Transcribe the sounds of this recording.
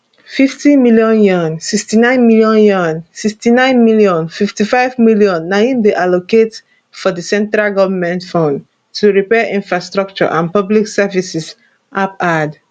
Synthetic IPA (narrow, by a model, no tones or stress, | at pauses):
fiftimiljɔ̃njɔ̃nsikstinãɪ̃nmiljɔ̃njɔ̃nsikstinãɪ̃nmiljɔ̃nfiftifaɪvmiljɔ̃nːajĩnbiʔaloket | fɔdisɛ̃ntɹalɡɔvəmɛ̃ntfɔ̃nd | tuɹipɛʔĩnfɹastɹɔk̚t͡ʃɔ̰ʔãnpɔbliksɛvisis | ʔapad